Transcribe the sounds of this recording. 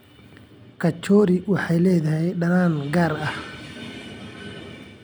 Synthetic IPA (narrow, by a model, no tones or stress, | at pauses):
kʰɐt͡ʃɔːɾɪwɑħɑjlɛːðɐɦɛjɖɐnaːnɡaːɾɐh